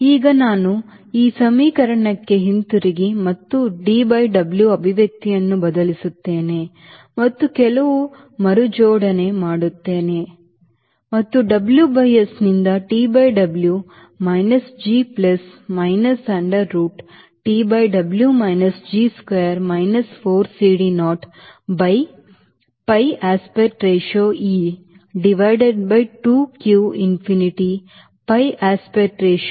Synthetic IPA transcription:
iːɡɐnaːnu | iːsɐmiːkɐɾɐɳɐkːe̞ɦint̪uɾiɡimɐt̪ːuɖiːbɐjɖɐbljuɐbʱiʋjɐk̚t̪ijɐnːubɐd̪ɐlisut̪ːe̞ːne̞ | mɐt̪ːukɛlɐʋu | mɐɾud͡ʒɔːɽɐne̞maːɽut̪ːe̞ːne̞ | mɐt̪ːuɖɐbljubɐjesnind̪ɐʈiːbɐjɖɐblju | mɐjnɐsd͡ʒiːplɐsmɐɪnɐsɐ̃ɳɖɐɾːuːʈ | ʈiːbɐjɖɐbljumɐjnɐsd͡ʒiːskweːɐɾmaɪnɐsfoːɾsiːɖinɔːʈ | bɐj | pɐjaːspeʈɾeːʃoːiː | ɖiʋaɪɖeɖ̚bɐjʈuːkjuːinfiniʈi | pɐjʔaːspeʈɾeːʃ

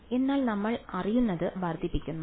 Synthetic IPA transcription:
e̞nːaːlnɐmːɐɭɐrijunːɐðɨʋɐrd̪ʱipːikʲːunːu

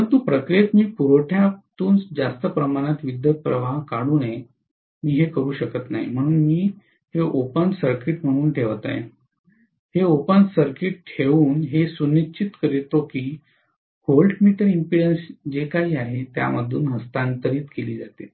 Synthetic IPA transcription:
əənt̪uːpɾəkɾet̪miːpuɾoʈʰjat̪uːnt͡sd͡zast̪əpɾəmaɽ̃at̪ʋid̪jəpɾəʋaɦkaɽuːne | miːɦekəɾuːɕəkət̪na̰ɦḭm̤əɽ̃uːnmiː | heʔopənsəɾkiʈm̤əɽ̃uːnʈʰeʋt̪a̰jḛ | heopənsəɾkiʈ̚ʈʰeʋuːnɦesunit͡ɕit̪kəɾit̪okiː | holʈmiːʈəɾimpiɽənsd͡ʑekaɦiːaɦet̪ja̰məd̪ʱːuːnɦəst̪ant̪əɾiːt̪keliːd͡zat̪e

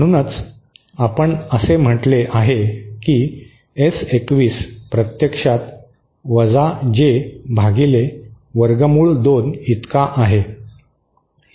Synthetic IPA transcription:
əɽ̃uːnət͡s | apəɳəsem̤əʈleʔaɦekiː | esekʋiːspɾət̪jəkʂat̪ | ʋəd͡zad͡ʑebʱaɡile | ʋəɾɡəmuːɭd̪onit̪kaʔaɦe

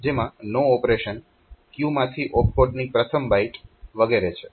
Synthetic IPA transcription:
d͡ʒemãnoɔpɾeʃən | kjumãt̪ʰiʔɔk̚poɖnipɾət̪ʰəmbaiʈʋəɡeɾet͡ʃʰe

